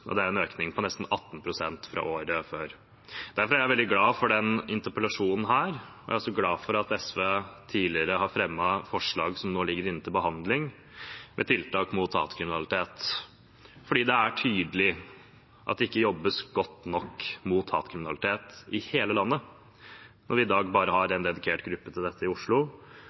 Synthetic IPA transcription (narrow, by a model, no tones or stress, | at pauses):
ʔɔ̰d̪ɛæɾɛnøːknɪŋpʰɔnɛst̪n̩ɑt̪ːn̩pʰɾʊsɛnt̪fɾɑ̰ʔoːɾəføːɾ | d̪̥æɾfɔɾæɾæʋɛld̪ɪɡlɑːfɔɖɛnɪnt̪əpəlɑʂuːnn̩ɦæːɾɔʔæ̰ɪɔsɔɡlɑːfɔɾɑt̪ɛsʋeːt̪ʰiːlɪəɾəhɑɾfɾɛmːɑfɔʂɭɑːɡsɔmnoːlɪɡːəɾɪnnt̪ɪlbəɦɑnd̪lɪŋ | mʔɛ̰t̪ʰɪlt̪ɑːkmʊt̪ʰːɑ̰ːt̪kʰɾɪmɪnɑlɪt̪ʰeːt̪ | fɔɖiːd̪ɛæʈʰyːd̪əlɪ | ʔɑt̪̚d̪ɛɪkːəjɔbːəsɡɔt̪ːnɔkːmuːt̪ʰːɑ̰ːt̪kʰɾɪmɪnɑlɪt̪ʰeːt̪ɪheːləlɑnːə | nɔɾʋɪɪd̪ɑːɡbɑːɾəhɑɾɛnd̪ɛd̪ɪkʰeːʈɡɾʉpːət̪ʰɪld̪ɛt̪ːəɪʊʂɭʊ